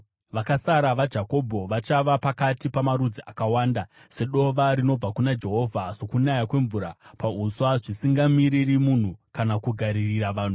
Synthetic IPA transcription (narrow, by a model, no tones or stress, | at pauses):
ʋakasaɾaʋad͡ʒako̞bʱo̞ʋat͡ʃaʋapakatipamaɾud͡ziʔakawaːnda | se̞ɗo̞ʋaɾino̞b͡vakunad͡ʒe̞ɦo̞ːvʱaso̞kunajakwe̞ɱvuːɾapauswaʐisiŋɡamiɾirimun̤ukanakuɡʱaɾiriɾaʋaːn̤u